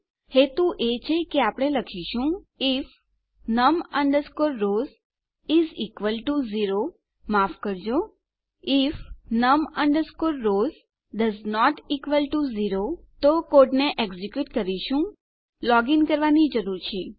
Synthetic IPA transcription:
het̪uʔet͡ʃʰekeapəɽ̃eləkʰiʃũif | nəmə̃ɳɖəɾskoɾːoz | izikʋəlʈuziɾo | mafkəɾd͡ʒo | ifnəmə̃ɳɖəɾskoɾːoz | ɖəznɔʈikʋəlʈuziɾo | t̪okoʈneʔeɡzikjuʈkəɾiʃũ | lɔɡinkəɾʋanid͡ʒəɾuɾt͡ʃʰe

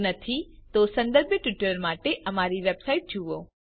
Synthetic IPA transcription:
nɐt̪ʰit̪osɐ̃nd̪əɾbjəʈʋɪʈəɾmaːʈeʔɐmaːɾiʋeːbsaːɪʈ̚d͡ʒʱuʋoː

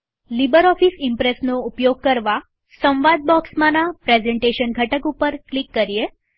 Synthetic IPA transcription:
libəɾɔfisɪmpɾesnoupjoɡ̚kəɾʋa | sə̃ʋʋad̪̚bɔksmanapɾezɛɳʈeʃənɡʱəʈəkupəɾklikːəɾije

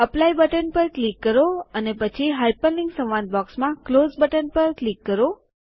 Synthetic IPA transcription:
əplajbəʈənpəɾklikːəɾoənepət͡ʃʰiɦajpənliŋɡsə̃ʋʋãnd̪̚bɔksmãklozbəʈənpəɾklikːəɾo

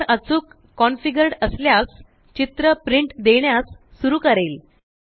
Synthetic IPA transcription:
ɾʔət͡suːkː | ɔnfiɡəɾɽəsljas | t͡ɕit̪ɾəpɾiɳʈd̪eɳjasːuɾuːkəɾel

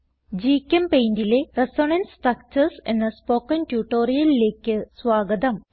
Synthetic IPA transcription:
d͡ʑiːkʲːɐmpejndileresoːɳɐnsʈrɐk̚t͡ɕɐrsḛnːɐspoːkːɐntjuːʈːoːɾijɐlile̞ːkʲːɨsʋaːɡɐd̪ɐm

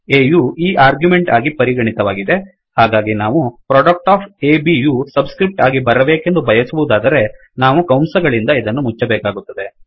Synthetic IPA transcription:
eːjuːiːʔaːɾɡjume̞ɳʈaːɡipɐɾiɡɐɳit̪ɐʋaːɡid̪e̞ | haːɡaːɡinaːʋupɾɔːɖɐk̚ʈaːpʰeːbijuːsɐbskɾip̚ʈaːɡibɐɾɐbe̞ːke̞nd̪ubʱɐjɐsuʋud̪aːd̪ɐɾe̞ | naːʋukɐwmsɐɡɐɭind̪ɐid̪ɐnːumut͡ʃːɐbɛːkaːɡut̪ːɐd̪e̞

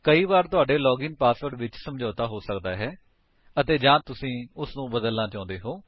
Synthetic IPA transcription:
kəiːβaːɾt̪ʊaːɖeːlɔːɡɪŋpaːsəɖʋɪt͡ʃsəmd͡ʒɔːt̪aːɦoːsəkd̪aːɦɛː | ət̪eːd͡ʒãːt̪ʊsĩːʊsnũːbəd̪əlnãːt͡ʃãːnd̪eːɦoː

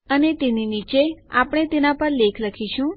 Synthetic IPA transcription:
ənet̪eninit͡ʃea̰pɽ̃et̪enapəɾlekʰləkʰiʃũ

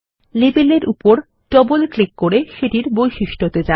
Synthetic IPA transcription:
lebeleɾʔupoɾ | ɖɔbolklikːoɾeʃeʈiɾbojʃiʃʈʰot̪ed͡ʑa

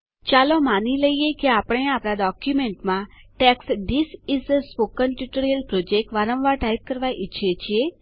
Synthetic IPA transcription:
t͡ʃaːlomaːniləiekiaːpɽ̃ẽaːpɾaɖɔːkjumẽɳʈmãʈɛːksɖisɪsspoːkːənʈjuʈəɾiəlpɾoːd͡ʒek̚ʈʋaːɾə̃mʋaɾʈaːjt̪̚kəɾʋaʔɪt͡ʃʰiet͡ʃʰie

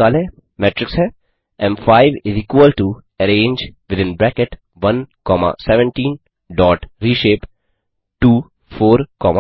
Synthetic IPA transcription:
aːlɛ̃ | mɛːʈɾɪksɦɛː | ɛ̃mfaːɪʋɪziːkʋəlʈu | ɐɾẽːɲd͡ʒʋɪd̪ɪ̃nbɾɛːkɪʈ | ʋɐ̃nkɔːma̰sɛʋə̃ɳʈĩːn | ɖɔːʈɾiːʃeːp | ʈuː | foːɾkɔːma

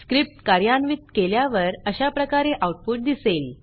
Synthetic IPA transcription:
skɾip̚ʈkaɾjanʋit̪keljaʋəɾəɕapɾəkaɾeʔawuʈ̚puʈ̚d̪isel

